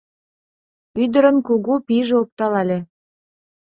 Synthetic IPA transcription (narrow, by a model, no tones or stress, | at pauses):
yd̪əɾə̆nkuɣupiʒeop̚t̪ɑlɑlʲe